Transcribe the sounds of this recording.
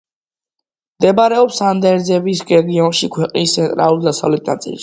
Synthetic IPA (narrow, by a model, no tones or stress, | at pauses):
md̪ɛbaɾɛɔpsand̪ɛɾd̪zɛbisɾɛɡiɔnʃikʰwɛqʼnist̪sʰɛnt̪ʼɾa̰lˠuɾd̪asa̰vlɛt̪̚ʰnat̪sʼḭls